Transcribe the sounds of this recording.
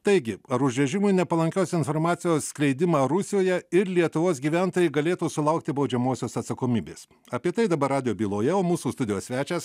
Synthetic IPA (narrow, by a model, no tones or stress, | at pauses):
t̪ɐɪɡʲɪɐɾʊʒʲʋʲɛʒʲɪmʊɪnʲɛpɐlˠɐŋʲkʲoʊsʲɪnfoːɾmɑːt̪sʲɪjoːssʲklʲɛɪd̪ʲɪmɑːɾʊsʲɪjoːjɛɪɾlʲiɛt̪ʊʋoːsɡʲiːʋʲænt̪oːjɛɪɡɐlʲeːt̪uːsʊlˠɐʊk̚t̪ʲɪbɒʊd͡ʒʲɛmoːsʲoːsɐt̪sɐkoːmʲiːbʲḛːs | ɐpʲiɛt̪ɐɪd̪ɐbɐɾɑːd̪ʲɪjoːbʲiːlˠoːjɛoːmuːsuːst̪ʊd̪ʲɪjoːsʲʋʲæːt͡ʃʲɛːs